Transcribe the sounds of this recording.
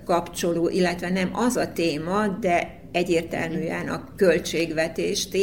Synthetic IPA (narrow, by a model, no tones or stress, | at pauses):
kɒpt͡ʃo̞loːʔilːɛt̪ʋɛnɛmɒzɒt̪eːmɒd̪ɛ | ɛɟːeːrt̪ɛ̰lmyːɛnɒ̰kølt͡ʃeːɡʋɛt̪eːʃt̪